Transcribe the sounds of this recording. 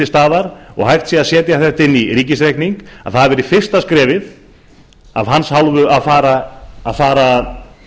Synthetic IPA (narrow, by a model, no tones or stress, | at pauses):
ɪst̪aːðaɾɔ̰ɣɦajr̥t̪siːaðsjɛːt̪jaθɛht̪ɪnːiɾiːcɪsɾejkniŋka̰ðθaðvɛːɾɪfɪr̥st̪askɾɛːvɪð | a̰vɦanshawlvʏʔaðfaːɾaːðfaːɾað